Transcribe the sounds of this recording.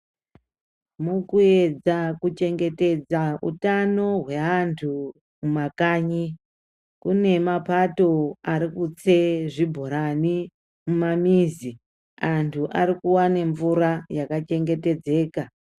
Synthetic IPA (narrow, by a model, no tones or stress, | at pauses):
mukue̞d͡zakut͡ʃe̞ŋɡe̞te̞d͡zaṵtano̞ɦwe̞antʰu | mumakaːɲi | kune̞mapato̞aɾikut͡seʐibʱoɾani | mumamiːzi | antʰuʔaɾikuwane̞ɱvuɾajakat͡ʃe̞ŋɡe̞te̞d͡ze̞ːka